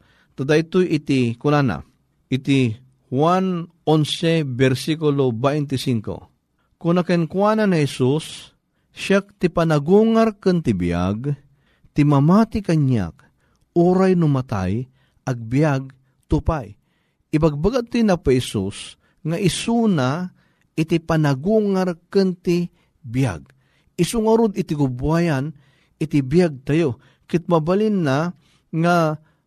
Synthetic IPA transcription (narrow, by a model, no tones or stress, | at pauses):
t̪ad̪ait̪ojɪt̪ikʊnana̰ | ʔɪt̪i | hwanʔonsɛbɛɾsikulobajnt̪ɪsiŋko̰ | kʊnakɛnkwananihɛsus | ʃak̚t̪ɪpanaɡuŋaɾkɨnt̪ɪbḭja̰ɡ | t̪ɪmamat̪ɪkaɲa̰k̚ | uɾajnʊmat̪a̰j | ʔaɡ̚bijaɡ̚ | t̪ʊpaj | ɪbaɡ̚baɡat̪inapɛsus | ŋaʔɪsuna | ʔɪt̪ipanaɡuŋaɾkɨnt̪ɪ | bja̰ɡ | ɪsʊŋaɾod̪ɪt̪ɪɡʊbwajan | ɪt̪ibjaɡ̚t̪ajo | kɪt̪̚mabalinːa | ŋa